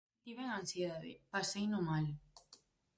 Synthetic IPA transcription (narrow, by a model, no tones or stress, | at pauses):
t̪iβeŋansjeðaðḛpasejnomal